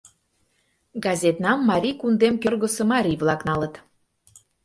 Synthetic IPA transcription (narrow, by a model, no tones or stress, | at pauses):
ɡɑzʲet̪nɑmːɑɾʲikund̪emkørɣə̆sə̆mɑɾʲiβlˠɑknɑlət̪